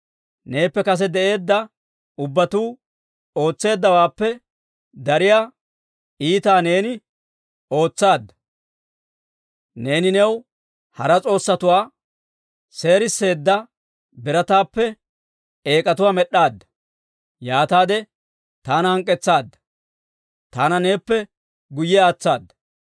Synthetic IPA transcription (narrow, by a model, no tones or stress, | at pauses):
ne̞ːpːɛkɐs̬ɛd̪ɛʔe̞ːd̪ːɐ | ʊbːɐt̪uː | o̞ːt͡sːe̞ːd̪ːɐwaːpːɛ | d̪ɐɾɪjaː | iːt̪aːne̞ːnɪ | o̞ːt͡sːaːd̪ːɐ̥ | ne̞ːnɪnɛw | hɐɾɐt͡sʼo̞ːsːɐt̪ʊwaː | se̞ːɾɪsːe̞ːd̪ːɐ | bɪɾɐt̪aːpːɛ | e̞ːkʼɐt̪ʊwaːmɛɗːaːd̪ːɐ̥ | jaːt̪aːd̪ɛ | t̪aːnɐhɐŋkʼːɛt͡sːaːd̪ːɐ̥ | t̪aːnɐne̞ːpːɛ | ɡʊjːɛaːt͡sːaːd̪ːɐ̥